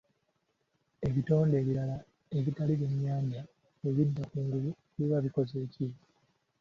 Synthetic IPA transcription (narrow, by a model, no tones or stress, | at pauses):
e̞βito̞ːnde̞ːβiɾala | eβitaliβjemjaːɲɟa | weβidːakuːŋɡulu | βeβaβiko̞ze̞ːci